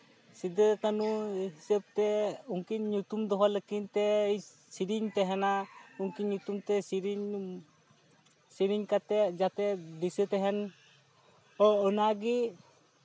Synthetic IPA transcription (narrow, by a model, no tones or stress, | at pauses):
sid̪əkanuɦisəb̚t̪ɛuŋkiɲɲut̪umd̪ɔɦaləkint̪ɛj | siɾiɲt̪ɛɦɛnauŋkiɲɲut̪umt̪ɛsiɾiɲ | siɾiɲkat̪ɛʔd͡ʒat̪ɛd̪isət̪ɛɦɛn | ɔɔnaɡi